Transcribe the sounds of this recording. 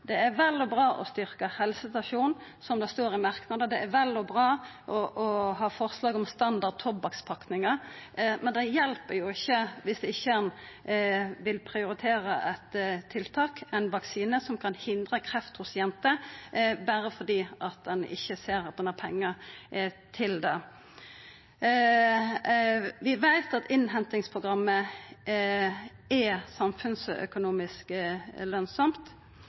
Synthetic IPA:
d̪ɛæʋɛlːɔbɾɑːʔɔ̰st̪ʏɾkəhɛlsəst̪ɑʃuːnsɔmd̪ɛst̪oːɾɪmɑʁknɑd̪əd̪ɛæʋɛlɔbʁɑː | ʔɔʔɔɦɑːfɔʁslɑːɡɔmst̪ɑnd̪ɑd̪̚t̪ʰɔbːɑkspʰɑknɪŋəmɛnd̪ɛjɛlpəjʊɪçːəʋɪsd̪ɛɪçːəɛn | ʋɪlpʰɾɪʊɾɪt̪ʰeːɾəʔɛt̪t̪ʰːɪlt̪ʰɑːkɛɪnʋɑksiːnəsɔmkʰɑnhɪnd̪ʁəkʰɾɛft̪hʊsjɛnt̪əbæːʁəfɔd̪iːʔɑt̪̚d̪ɛnɪ̰çːəseːɾɑt̪̚d̪ɛnæpʰɛŋːə | t̪ʰɪld̪ɛ | ʋɪʋæɪt̪ɑt̪ɪnɦɛnt̪ɪŋspʰʁʊɡʁɑmːə | ɛsɑmfʉnsœ̰kʊnuːmɪsklœnsɔmt̪

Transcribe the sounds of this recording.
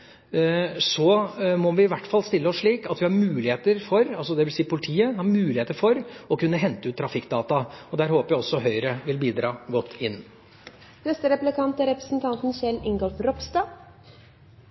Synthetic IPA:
sɔmɔʋɪɪʋæʈːfɑlst̪ɪlːəɔsʂɭiːkɑt̪ʋɪhɑɾmʉːlɪheːt̪əɾfɔɾɑlsɔd̪ɛʋɪlsiːpʊlɪt̪ʰiːəhɑɾmʉːlɪheːt̪əɾfɔɾɔkʉnːəɦɛnt̪əʉːt̪ːʰɾɑfɪkːd̪ɑːt̪ɑɔd̪æːɾhoːpəjæɪɔsːɔɦœʏɾəʋɪlbiːd̪ɾɑːɡɔt̪ʰːɪnː | nɛst̪əɾɛplɪkʰɑnt̪æɾɛpɾəsn̩t̪ʰɑnt̪n̩çɛlːɪŋɡɔlfɾɔpst̪ɑː

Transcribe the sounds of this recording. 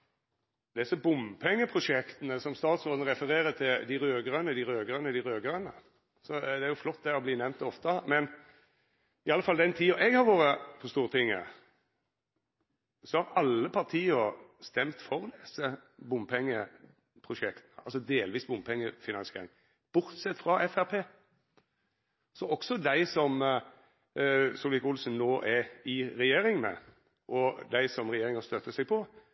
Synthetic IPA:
d̪ɛsɔbʊmpʰɛŋːəpʰʁʊʂɛkt̪ənəsɔmst̪ɑːt̪sʁoːd̪nəɾɛfəɾeːɾət̪ʰɪld̪ɪɾøːɡɾʁœnəd̪ɪɾøːɡʁənəd̪ɪɾøːɡəɾənə̰ | sɔd̪ɛæɾjʊflɔt̪̚ːd̪ɛɔbliːnɛmnt̪ɔft̪əmɛn | ɪɑləfɑld̪ɛnt̪ʰiːɔʔɛɡhɑɾʋoːɾəfʰɔst̪uːʁət̪ʰɪŋːə̰ | sɔhɑɾɑlːəpʰɑʁt̪ʰiːɔst̪ɛmt̪fɔʁd̪ɛsəbʊmpʰɛŋːə | pʰʁʊʃɛkt̪ɑlsɔd̪eːlʋiːsbʊmpʰɛŋːəfɪnɑnsɪḛːɾɪŋ | b̥ʊɾt̪sɛt̪ːfʁɑʔɛfæʁpʰeː | sɔɔksɔd̪æɪsɔm | sɔlʋɪkʊlsn̩noːʔɛɪɾɛjeːɾɪŋmɛ̰ | ʔɔd̪æɪsɔmʁɛjeːɾɪŋɑst̪œt̪ːəsɛɡ̚pʰɔ

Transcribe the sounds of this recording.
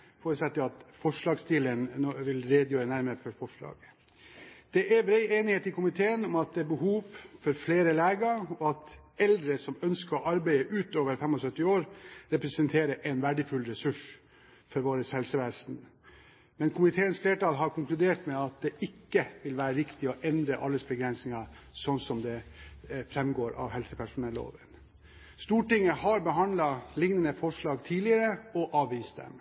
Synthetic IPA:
foːɾəsɛt̪ʰːɪlɑt̪fɔʂɭɑːɡst̪iːlənoʋɪlɾeːd̪jøːɾənæɾməɾfɔfɔʂlɑ̰ːɡ | d̪̥ɛʔɛɾbɾɛɪeːnɪheːt̪ɪkʊmɪt̪ʰeːənɔmɑt̪̚d̪ɛbəɦuːʋfɔɾfleːɾəlæːɡəɾɔɑt̪ɛld̪ɾəsɔmœnskəɔʔɑɾbæɪəʔʉːt̪oːʋəɾfɛmɔsœt̪ːɪoːɾɾɛpɾɛsənt̪ʰeːɾəʔɛnʋæɖəfʉlɾɛsʉʂ | fɔɾʋoːɾəshɛlsəʋeːsn̩ | mɛnkʰʊmɪt̪ʰeːənsfleːʈɑːlɦɑɾkʰʊŋklʉd̪eːʈmɛɑt̪̚d̪ɛʔɪkːəʋɪlʋæːɾəɾɪkt̪ɪɔʔɛnd̪ɾəʔɑ̰lːəsbəɡɾɛnsɪŋɑ | sɔnsɔmd̪ɛ | fɾɛmɡoːɾɑ̰ʋhɛlsəpʰæʂʊnɛlːo̰ːʋən | st̪uːʈɪŋːəhɑɾbəɦɑnd̪lɑlɪŋnənəfɔʂɭɑːɡt̪ʰiːlɪəɾəɔʔɑːʋʋiːst̪̚d̪ɛ̰m

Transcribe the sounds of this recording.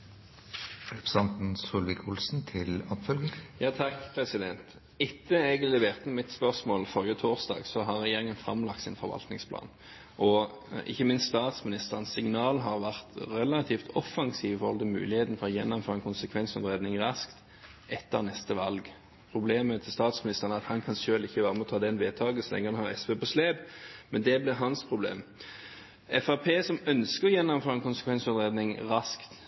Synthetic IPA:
ɛpsɑnt̪n̩suːlʋɪkʰʊlsn̩t̪ʰɪlɔpfœlɡɪŋjɑːt̪ʰɑkːpʰʁɛsɪd̪ɛnt̪ | ɪt̪ːəɛɡəllɛʋeːʁt̪mɪt̪spœʁsmoːlfɔʁjət̪ʰoːʁsd̪ɑ̰ːɡsɔɦɑʁːɛjeːʁɪŋənfɾɑ̰mlɑk̚t̪sɪnfɔʁʋɑ̰lt̪nɪŋspʰlɑ̰ːn | ʔɔ | ɪ̰çːəmɪnst̪st̪ɑːt̪smɪnɪst̪əʁənsɪŋnɑːlɦɑːʁʋæʁt̪ʁɛlɑt̪ʰiːft̪ɔfːɑŋsiːʋɪfɔɾʁhɔlt̪ʰɪlmʉ̰ːlɪheːt̪n̩fɔʁɔjɛnːɔmføːʁɛnkʊnsəkʰʋɛnsɔnd̪ʁeːd̪nɪŋʁɑskt̪ | ʔɛt̪ːəʁnɛst̪əʋɑlɡ | pʰʁʊbleːmət̪ʰɪlst̪ɑːt̪smɪnɪst̪əʁənəæɑt̪hɑnkʰɑnsøːlɪçːəʋæːʁəmɛɔt̪ʰɑːd̪ɛnʋeːt̪ʰɑːɡəsɔlɛ̰ŋːəʁɑnhɑʁɛspeːpɔsleːbmɛnd̪ɛblɪɦɑnspʰʁʊblḛːm | ɛfɑpʰeːsɔmœnskəʁɔjɛnːɔmføːʁɛnkʊnsəkʋɛnsɔd̪ʁeːd̪nɪŋʁɑskt̪

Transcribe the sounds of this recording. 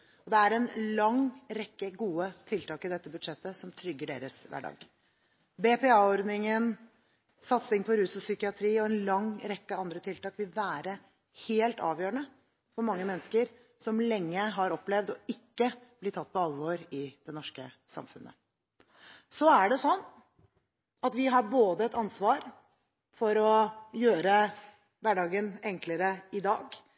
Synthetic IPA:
ɔd̪ɛæɾɛnlɑŋɾɛkːəɡuːət̪ʰɪlt̪ʰɑːkɪd̪ɛt̪ːəbʉd̪ʂɛt̪ːəsɔmt̪ʰɾʏɡːəɖḛːɾəsʋæ̰ːɖɑ̰ːɡ̥ | bɛpɛɑːɔɾd̪nɪŋən | sɑt̪sɪŋpʰɔɾʉːsɔsʏkɪɑt̪ʰɾiːɔɛnlɑŋɾɛkːəɑnd̪ɾət̪ʰɪlt̪ɑːkʋɪlʋæːɾə | heːlt̪ɑ̰ːʋjøːɾəɳə | fɔɾmɑŋːəmɛnːskəɾ | sɔmlɛŋːəɦɑɾɔpːlɛʋd̪ɔɪkːəb̥lɪt̪ʰɑt̪̚ːpɔɑlʋoːɾɪd̪̥ɛnɔʂkəsɑ̰mfʉnːə̰ | sɔæɖɛsɔnː | ɑt̪ʋɪɦɑɾboːd̪əɛt̪ɑnsʋɑːɾ | fɔɾɔjøːɾə | ʋæɖɑːɡənɛŋkləɾəɪd̪ɑ̰ːɡ

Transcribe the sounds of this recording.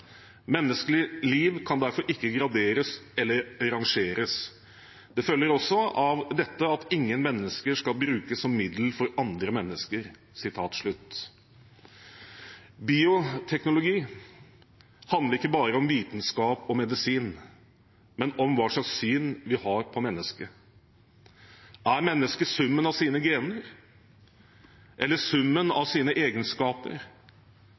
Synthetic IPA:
mɛnːəskəlɪliːʋkʰɑnd̪æɾfɔɾʔɪkːəɡɾɑd̪eːɾəsɛlːəɾɑŋʂeːɾəs | d̪̥ɛfœlːəɾɔsːɔɑʋd̪ɛt̪ːəɑt̪ʰɪŋːənmɛnːəskəʂkɑlbɾʉːkəsɔmːɪd̪l̩fɔɾɑnd̪ɾəmɛnːəskəɾ | sɪt̪ʰɑːt̪ʂɭʉt̪ː | biːʊt̪ʰɛknʊlʊɡiː | hɑnd̪ləɾɪkːəbɑːɾəɔmʋiːt̪nskɑːpɔmɛd̪ɪsiːn | mɛnɔmʋɑːʂlɑkssyːnʋɪhɑːɾpʰɔmɛnːəskə | ʔæɾmɛnːəskəsʉmːənɑʋsiːnəɡeːnəɾ | ʔɛlːəsʉmːənɑ̰ʋsiːnəʔeːɡənskɑːpə̰ɾ

